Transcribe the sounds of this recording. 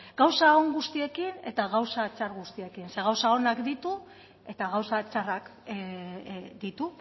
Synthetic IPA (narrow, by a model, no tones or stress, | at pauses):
ɡ̥awsaoŋɡust̪ie̞kine̞t̪aɣawsat͡ʃaɾɣust̪ie̞kinse̞ɣ̞awsao̞nakd̪it̪u | e̞t̪aɣawsat͡ʃarak | d̪it̪u